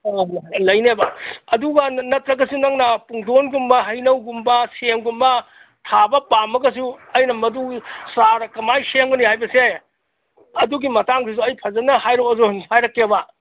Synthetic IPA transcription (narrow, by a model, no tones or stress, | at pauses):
lɐjnebɐɐduɡɐnɐtɾɐɡɐsunɐŋnɐpuŋdonɡumbɐɦɐjnɐwɡumbɐseŋɡumbɐ | tʰabɐpamɐɡɐs̬uɐjnɐmɐdusaɾɐkɐmajseŋbɐnihajbɐse | ɐduɡimɐtaŋsis̬uɐjpʰɐzɐnːɐhajɾoozonihajɾɐkːeɐbɐ